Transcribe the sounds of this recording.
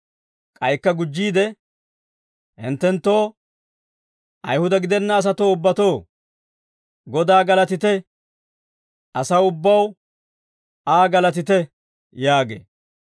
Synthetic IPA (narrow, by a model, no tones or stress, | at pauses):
kʼɐjkːɐɡʊd͡ʒːiːd̪ɛ | hɪ̰nt̪ːɛnt̪ːo̞ː | ʔɐjhʊd̪ɐɡɪd̪ɛnːɐːs̬ɐt̪o̞ːʊbːɐt̪o̞ː | ɡɔd̪aːɡɐlɐt̪ɪt̪ɛ | ʔɐsɐwʊbːɐw | aːɡɐlɐt̪ɪt̪ɛ | jaːɡḛː